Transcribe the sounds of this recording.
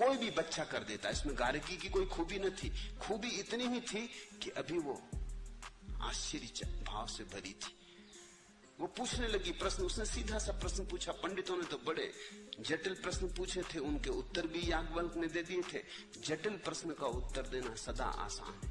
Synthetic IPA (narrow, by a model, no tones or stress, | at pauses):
koːibʱibɐtːʃakɐɾd̪eːt̪aɪsmẽɡaːɾkikikoːikʰuːbinɐt̪ʰikʰuːbiɪt̪niɦit̪ʰikiʔɐbʱiʋo | a̰ːʃəɾit͡ʃbʱaːʋsebʱɐɾḭt̪ʰi̥ | ʋopuːt͡ʃʰnelɐɡipɾɐsnʊsnesiːd̪ʱasɐpɾɐsnəpuːt͡ʃʰapɐ̃ɳɖɪt̪ɦonet̪obɐɽḛd͡ʒeʈəlpɾəsnpuːt͡ʃʰet̪ʰeʊnkeʊt̪ːəɾbʱijaːɡbəlkned̪eːd̪iet̪ʰḛ | d͡ʒeʈəlpɾəsnəkaʊt̪ːəɾd̪eːnasɐd̪a̰ʔa̰ːsa̰ːn